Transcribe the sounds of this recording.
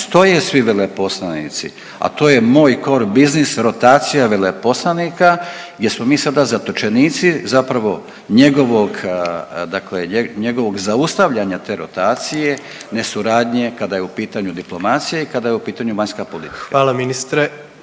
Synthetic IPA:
st̪o̞jesʋiʋelepo̞slˠanḭt̪sḭ | a̰t̪o̞ːje̞moːjko̞ɾbiznisɾo̞t̪aːt̪sijaʋelepo̞slˠanikaɡdʲje̞smo̞miːsad̪azat̪ot͡ʃe̞niːt̪sizapɾaʋo̞ | ɲe̞ɡo̞ʋo̞ɡ | d̪akleeɲe̞ɡo̞ʋo̞ɡzaust̪aʋʎaɲat̪e̞ːɾo̞t̪aːt̪sije̞ | ne̞suɾaːd̪ɲe̞kad̪ajeupiːt̪aɲud̪iplˠo̞mat̪sijaikad̪ajeupiːt̪aɲuʋaɲskapolḭt̪i̥kaaːlaminist̪ɾe

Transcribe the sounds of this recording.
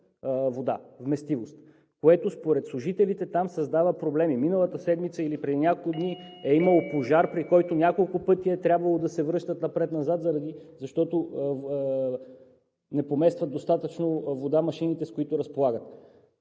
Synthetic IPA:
vod̪a̰vmɛst̪ivost̪ | koɛt̪ospoɾɛt̪slˠʊʒit̪ɛlit̪ɛt̪amsɐzd̪avəpɾoblɛmiminəlˠət̪əsɛd̪mit̪səilipɾɛd̪inʲakolˠkʊd̪niɛiməlˠopoʒaɾpɾikɔjt̪onʲakolˠkʊpɤt̪iəɛt̪ɾʲabvɐlˠod̪ɐsɛvɾɤʃt̪ət̪nɐpɾɛt̪nɐzat̪zɐɾɐd̪izɐʃt̪ɔt̪o | nɛpomɛst̪vət̪ost̪at̪ət͡ʃnovod̪amɐʃinit̪ɛskoit̪ʊɾɐspolˠaɡət̪

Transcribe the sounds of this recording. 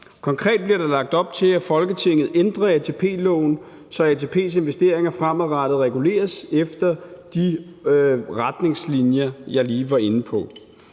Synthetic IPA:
kʰɒ̽ŋkʰʁɛ̰ːd̥̚b̥liɐɾ̥elɑ̈ɡ̥̚d̥ɒ̽b̥̚t͡sʰe̝æfɒ̽lɡ̥ət͡sʰe̝ŋ̰ð̩ˠend̥ʁɐæt͡sʰe̝pʰe̝̰ːlɔʊn | sɒ̽æt͡sʰe̝ːpʰe̝̰ːse̝nʋesd̥e̝ɐ̰eŋɐfʁamæðˠʁɑd̥ð̩ˠʁɛɡ̥ule̝̰ːɐsefd̥ɐd̥i | ʁad̥ne̝ŋslinjɐjɑ̈ɪliːʋɑ̈e̝npʰɒ̽

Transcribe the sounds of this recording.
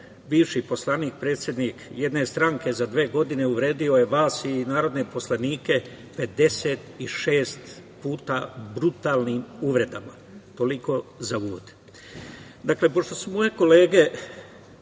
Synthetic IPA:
ʋiʋʃipo̞slˠaniːk̚pɾe̞ːt̪sje̞d̪nikjed̪ne̞st̪ɾaŋke̞zad̪ʋe̞ːɡo̞d̪ine̞uʋɾe̞ːd̪io̞je̞ʋaːsinaːɾo̞d̪ne̞po̞slˠaniːke̞ | pe̞d̪e̞se̞t̪iʃe̞ːst̪puːt̪abɾut̪aːlnimuʋɾe̞d̪ama | t̪o̞liko̞zauʋo̰d̪̥ | d̪akle̞po̞ʃt̪o̞sumo̞je̞ko̞le̞ːɡe̞

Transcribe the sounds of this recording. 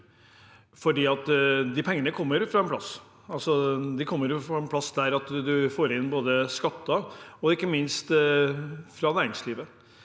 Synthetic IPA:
fɔɖiːɑt̪d̪ɪpʰɛŋːənəkʰɔmːəɾfɾɑɛnpʰlɑs | ɑlsɔd̪ɪkʰɔmːəɾjʊfɾɑɛnpʰlɑsd̪æɾɑt̪d̪ʉfoːɾɪnːboːd̪əskɑt̪ːɑɔɪkːəmɪnst̪ | fɾɑnæːɾɪŋsliːʋə

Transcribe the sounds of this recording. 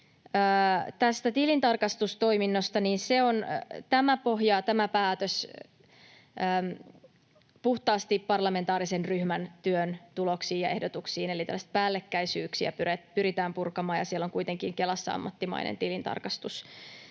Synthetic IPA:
əːt̪æst̪æt̪ilint̪ɑrkɑst̪ust̪o̞iminːost̪ɑniːnseont̪æmæpo̞ɦjɑt̪æmæpæːt̪øs | əːm | puht̪ɑːst̪ippɑrlɑme̞nt̪ɑːɾisenryhmænt̪yønt̪ulo̞ksiːjɑʔe̞hdot̪uksiːnelit̪ælːsi̥t̪̚pæːlːekːæisyːksiæ̰pyrepyɾit̪æːmpurkɑmɑːjɑ̰sielːoŋkuit̪eŋkiŋkelɑsːɑɑ̰mːɑt̪ːimɑ̰inḛnt̪ilint̪ɑ̰rkɑst̪us

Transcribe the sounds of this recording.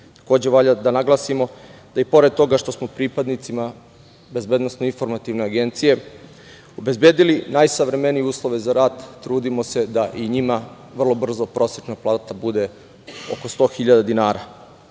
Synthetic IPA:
t̪ḁko̞ːd͡ʑeʋaʎad̪anaɡlˠasimo̞d̪̥aipo̞ɾe̞d̪̚t̪o̞ɡaʃt̪o̞smopɾipad̪nit̪sima | be̞zbed̪no̞snoinfo̞ɾmat̪iʋne̞aɡe̞nt̪sije̞ | obe̞zbjeːd̪ilinajsaʋɾe̞me̞nijeuːslˠo̞ʋe̞zaɾaːd̪ːɾuːd̪imo̞se̞d̪aʔiɲima | ʋr̩lˠo̞br̩zo̞pɾʔo̞sjet͡ʃnaplˠaːt̪abud̪e̞ | oko̞st̪o̞ːxiʎad̪ad̪inaːɾa

